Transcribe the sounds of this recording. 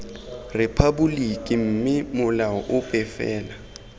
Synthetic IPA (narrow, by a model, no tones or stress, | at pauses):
rɪpʰabulikʼim̩ːmɪmʊlawɔʔʊpʼɛfɛːla